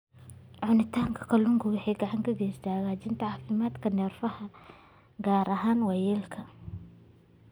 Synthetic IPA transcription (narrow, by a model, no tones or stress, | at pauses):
ʕʊnɪt̪ʰaːŋkʰɐ̥kʰɐlʊŋkʰʊwɑħɑjɡɐʕɑŋkʰɐɡɛst̪ʰaːɣaːt͡ʃɪnt̪ʰɐʕɑːfɪmaːd̪kʰɐnɛːrfɐhɐ | ɡaːɾʔɐɦaːnwɛjɛːlkʰɐ